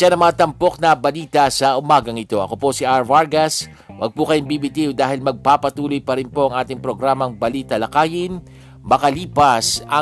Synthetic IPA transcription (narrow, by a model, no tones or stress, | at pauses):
ʃanɐŋmɐŋat̪ɐmpo̞k̚nɐbɐliːt̪ɐsɐʔʊmaːɡɐŋɪt̪o̞ʔɐ̰ko̞posiʔaɹvaɹɡɐs | wʔɐ̰ɡ̚pukɐjɪŋbibit̪iʊd̪aːhɪlmɐɡ̚papɐt̪uːlojpɐɾɪnpo̞ʔɐŋʔaːt̪ɪŋpɾo̞ɡɾaːmɐŋbɐliːt̪ɐlɐkaːjɪn | mɐkɐliːpɐsɐ